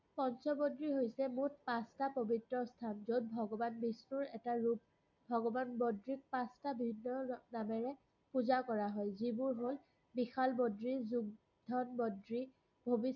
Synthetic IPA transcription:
pɔnsɔbodɹiɦojsɛmut̚pastapobitɹɔstʰanzod̚bʱɔɡɔbanbisnuɹɛtaɹup̚ | bʱɔɡɔbanbodɹik̚pastabibʱinːɔnamɛɹɛ | puzakɔɹaɦɔjzibʊɹɦol | bixalbodɹizuɡ̚ | dʱɔnbɔdɹi | bʱobis

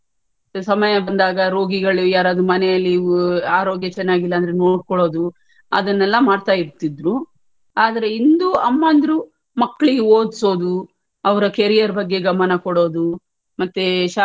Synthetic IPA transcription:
sɐmɐjɐbɐnd̪aːɡɐɾo̞ːɡiɡɐɭujaːɾaːd̪ɾumɐnɛjɐlːiaːɾo̞ːɡjɐt͡ʃɛnːaːɡilːɐːnd̪ɐɾeno̞ːɖkɔɭo̞ːd̪u | ɐ̰d̪ɐnːɛlːɐmaːɽt̪aːjiɾt̪id̪ɾu | aːd̪ɐɾe̞ind̪uɐmːaːnd̪ɾu | mɐkːɐɭiɡeoːd̪so̞ːd̪u | ɐʋɐɾɐkeɾijɐɾbɐɡːe̞ɡɐmɐnɐkɔɽo̞ːd̪u | mɐt̪ːeʃa

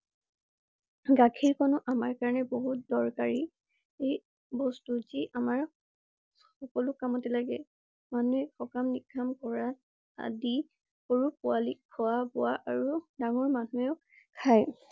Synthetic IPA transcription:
ɡakʰiɹkɔnɔʔamaɹkaɹanɛboɦut̚dɔɹkaɹi | ej | bɔstuziʔamaɹ | xɔkɔlʊkamɔtɛlaɡɛ | manuɛxɔkamniɡʰʱamkɔɹa | a̰di | koɹupʊalikʰɔwabɔaʔaɹudaŋɔɹmanueʊ | kʰaj

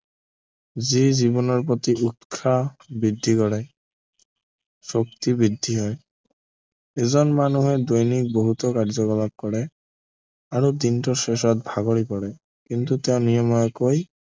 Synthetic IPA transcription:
zizibɔnɔɹp̬ot̪iʔutkʰabɹidʱːikɔɹɛ | sok̚t̪ibɹidʱːiɦɔj | ɛzɔnmanuɦɛdojnik̚boɦut̪ɔkaɹzɔkɔlab̚kɔɹɛ | aɹud̪intɔseʃɔt̚bʱaɡɔɹipɔɹɛ | kint̪uteʊ̃nijɔmɔjɔkoj

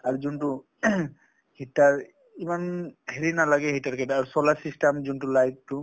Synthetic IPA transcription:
aɾd͡ʒunʈu | hiʈaɾ | imanheɾinalaɡɛɦiʈaɾkɛʈaɾsɔlaɾsisʈamd͡ʒuɳʈulajk̚ʈu

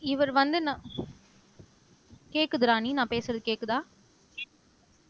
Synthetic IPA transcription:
ɪʋɐɾʋɐnd̪ɯnãː | keːʈkːɯðɯɾaːninãːpeːsɯɾɐðɯkeːkːɯðaː

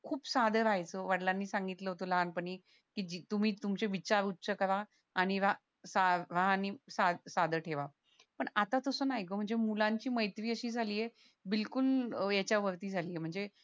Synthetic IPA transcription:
kʰuːpsad̪ʱəɾajt͡səʋaɽlanːiːsãŋɡit̪ləɦot̪olaanpəɳiː | kiːd͡ʑit̪um̤iːt̪umt͡ɕeʋit͡ɕaɾutːsəkəʋa | aɽ̃iʋa | saʋaanisad̪sad̪ʱəʈʰeʋa | pəɳat̪at̪əsəːnajkom̤əɳd͡zemulaɲt͡ɕiːməjt̪ʋiːəɕiːd͡zʱaliːje | bilkuljat͡ɕjaʋəɾt̪iːd͡zʱaliːem̤əɳd͡ze

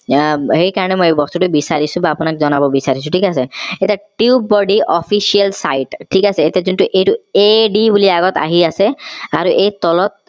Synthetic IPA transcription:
hejkaɹɔnemojebɔst̪uʈubisaɾisũbaːpunakzɔnabɔbisaɾisũʈʰikaseetaʈiubɔɖiʔɔpʰisialsa̰jʈʈʰːikaseːt̪ezuntuʔejʈueɖibuliaɡɔt̪a̰ɦiaseaɾuʔejt̪ɔlɔt̪̚

